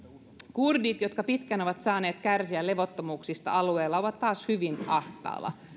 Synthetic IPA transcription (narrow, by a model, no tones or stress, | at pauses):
kurdit̪jot̪kɑpit̪kæno̞ʋɑt̪sɑːneːt̪kærsiæle̞ʋot̪ːomuːksist̪ɑ̰ɑlueːlːɑoʋɑt̪tːɑːshyʋinɑht̪ɑ̰ːlɑ̰